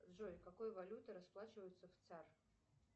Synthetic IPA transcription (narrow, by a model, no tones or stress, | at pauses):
ʐojkakojvɐlʲut̪ɨɾɐsplˠat͡ɕɪvəjʊt̪səft̪sar